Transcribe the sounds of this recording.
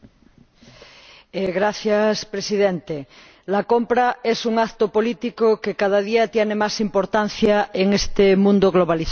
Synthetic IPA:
eɣɾaθjaspɾesiðent̪e | lakompɾaesuŋakt̪opo̞lit̪ikokekað̞að̞iat̪jenemasimpoɾt̪an̟θjaeŋest̪emũnd̪oɣloβaliθa

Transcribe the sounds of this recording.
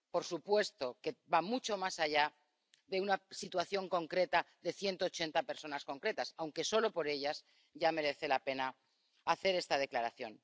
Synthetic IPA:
po̞ɾsupwe̞st̪o̞ke̞bamut͡ʃo̞masaʝa | ðe̞unasit̪waθjo̞ŋko̞ŋkɾe̞t̪aðe̞θje̞nt̪o̞ːt͡ʃe̞nt̪ape̞ɾso̞nasko̞ŋkɾe̞t̪asawŋke̞so̞lo̞po̞ɾe̞ʎas | ʝame̞ɾe̞θe̞lape̞na | aθe̞ɾe̞st̪að̞e̞klaɾaθjo̞̰n

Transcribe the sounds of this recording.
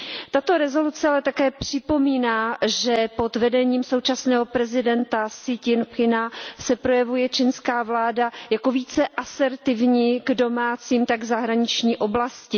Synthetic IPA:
t̪at̪o̞ɾɛzo̞lut͡sɛalɛt̪akɛːpr̝̥ɪpo̞miːnaːʒɛpo̞d̪vɛdɛɲiːmso̞wt͡ʃasnɛːɦo̞pɾɛzɪdɛnt̪asɪcɪnpxɪnasɛpɾo̞jɛvujɛt͡ʃɪnskaːvlaːdajako̞viːt͡sɛʔasɛɾt̪ɪvɲiːɡdo̞maːt͡siːmt̪aɡzaɦɾaɲɪt͡ʃɲiːʔo̞blascɪ

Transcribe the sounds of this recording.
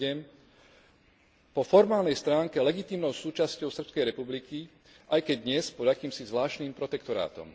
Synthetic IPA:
ɛm | pɔfɔɾmaːlnɛjst̪ɾaːŋkɛlɛɡit̪iːmnɔʊsuːt͡ʃascɔʊsr̩pskɛjɾɛpubliki | ʔajkɛɟd̪ɲɛspɔd̪akiːmsizʋlaːʃniːmpɾɔt̪ɛkt̪ɔɾa̰ːt̪ɔ̰m

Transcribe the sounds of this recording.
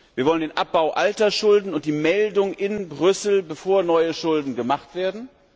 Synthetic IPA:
viːɐvɔləndeːnʔap̚b̥aʊʔaltɐʃʊldn̩ʊnt̚d̥iːmɛldʊŋʔɪnbʁʏsl̩bəfoːɐnɔʏəʃʊldn̩ɡəmaχtv̥eːɐdn̩

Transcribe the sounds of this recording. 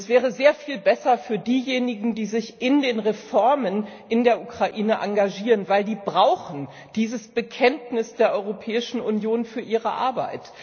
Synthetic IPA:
ɛsv̥ɛːʁ̞əzeːɐfiːlbɛsɐfyːɐdiːjeːnɪɡŋ̩diːzɪçʔɪndeːnʁefɔɐmənʔɪndeːɐʔukʁ̥aʔiːnəʔaŋɡaʒiːʁənvaɪldiːbʁaʊxn̩ | d̥iːzəsb̥əkʰɛntnɪsd̥eːɐʔɔʏʁopʰɛːɪʃn̩ʔunjoːnfyːɐʔiːʁə̰ʔa̰ɐba̰ɪt

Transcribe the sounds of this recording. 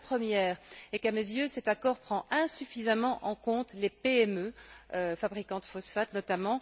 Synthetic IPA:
pχəmjɛːʁekamezjøsɛt̪akɔːʁpχɑ̃ɛ̃syfizamɑ̃ʔɑ̃kɔ̃t̪lepeɛmøøfabʁikɑ̃d̪əfɔsfat̪nɔt̪amɑ̃

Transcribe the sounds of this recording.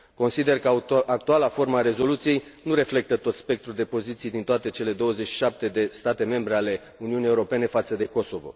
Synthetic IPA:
ko̞nsid̪e̞rkəak̚t̪ualafo̞rməaɾe̞zo̞lut̪sije̞jnuɾe̞fle̞k̚t̪ət̪o̞t̪spe̞k̚t̪ɾuld̪e̞po̞zit̪sijd̪int̪oat̪e̞t͡ʃe̞le̞d̪o̞wəze̞t͡ʃʃi̥ʃap̚t̪e̞d̪e̞st̪at̪e̞me̞mbɾe̞ale̞ | uniunije̞uɾo̞pe̞ne̞fat̪səd̪e̞ko̞so̞vo̞̰

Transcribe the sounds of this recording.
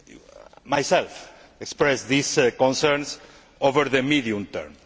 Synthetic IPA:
majsɛlf | ekspɾɛsðiskõnsɛɾns | ovəɾðəmiðiũmt̪ɛ̰ɾm

